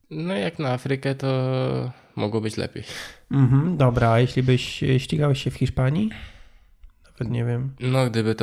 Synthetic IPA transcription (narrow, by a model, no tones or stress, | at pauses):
nɔjaknaafɾɘkɛt̪ɔ | mʔɔɡwɔbɘt͡ɕlɛ̰pʲejm̩ɦm̩d̪ɔbɾajeɕlʲibɘɕɕt͡ɕʲiɡawɕɕːɛfxʲiʂpaɲi | navɛt̪ɲɛvʲjɛmnɔɡd̪ɘbɘt̪